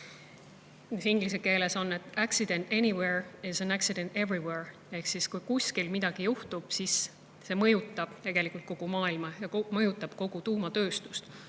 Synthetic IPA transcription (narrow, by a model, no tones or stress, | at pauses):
nisiŋɡ̥lis̬e̞ke̞ːle̞so̞nːe̞t̪æksid̪ẽ̞nt̪e̞niweɹɪsæ̃næksid̪e̞nt̪e̞vɹiweɹ | e̞hksiskujkusʲkilmid̪̥ɑɡ̥ijuht̪ub̥sis | se̞mɤ̞jut̪ːˑɑb̥t̪e̞ɡ̥e̞likːˑult̪̚ko̞ɡ̥umɑːilmɑjɑmɤjut̪ːˑɑb̥ko̞ɡ̥ut̪uːmɑt̪ø̞ːst̪u̥st̪